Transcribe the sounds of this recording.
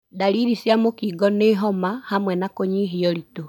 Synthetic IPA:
daɾiɾisjamokiːɡɔneɦɔmahamwɛnakoɲiɦiɔɾito

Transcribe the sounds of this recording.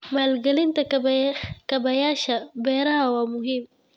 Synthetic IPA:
malɡalint̪a | kabajaʃabaɾahawamuhim

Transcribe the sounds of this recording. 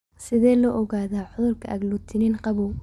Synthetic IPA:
sɪðɛːlɔʔɔɣaːðaːʕʊðʊlkʰɐɐɡlut̪ʰɪnɪnqɑβuw

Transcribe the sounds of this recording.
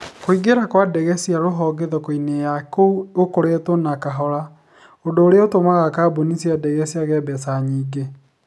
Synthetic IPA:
koiɡeɾakwadɛɣɛsiaɾoɦɔɡeðɔkoinejakouokoɾetonakaɦɔɾa | ondoːɾeaotomaɣakaːbonisiadɛɣɛsiaɣɛbɛsaɲiːɡe

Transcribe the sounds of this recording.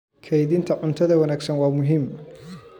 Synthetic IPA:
kʰɛjðɪnt̪ʰɐʕʊnt̪ʰɐðɐwɐnaːɡsɐnwɑːmʊɦɪm

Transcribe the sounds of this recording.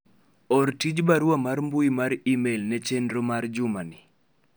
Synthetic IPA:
ɔrtid͡ʒbaɾwamaɾmbuimaɾimelnɛt͡ʃendɾomard͡ʒʊmanɪ

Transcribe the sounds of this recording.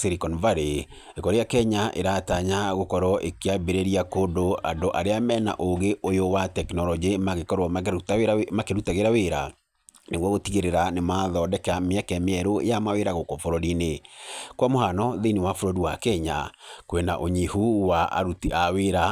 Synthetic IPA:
seɾikɔnvaɾe | ekɔɾejakɛɲaʔḛɾataɲaɣokɔɾwɔʔekeabeɾeɾiakodoa̰ndoʔaɾeamɛna̰ʔoɣeʔojowatɛknɔlɔd͡ʒemaɣekɔɾwɔ | makeɾutaɣeɾaweɾa̰ | neɣwɔɣotiɣeɾeɾanemaðɔdɛkɛameɛkɛmeɛɾo̰jamaweɾaɣokɔfoɾoɾinekwamoɦanɔðeniwafoɾoɾiwakɛɲa̰kwenaʔoɲihuwaʔa̰ɾutiaweɾa

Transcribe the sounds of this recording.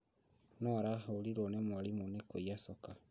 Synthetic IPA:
nɔɾaɦaoliɾonemwalimunekojasɔka

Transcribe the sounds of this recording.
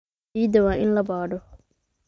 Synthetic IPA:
iːd̪ɐwaːʔɪnlɐbaːɖɔ

